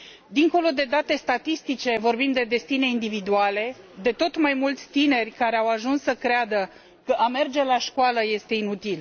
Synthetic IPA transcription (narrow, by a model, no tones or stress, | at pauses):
d̪iŋko̞lo̞d̪e̞d̪at̪e̞st̪at̪ist̪it͡ʃe̞vo̞rbimd̪e̞d̪e̞st̪ine̞ind̪ivid̪uale̞ | d̪e̞t̪o̞t̪majmult̪sʲt̪ine̞rʲkaɾe̞awaʒunsːəkɾead̪ə | kəʔame̞rd͡ʒe̞laʃkoaləje̞st̪e̞inut̪il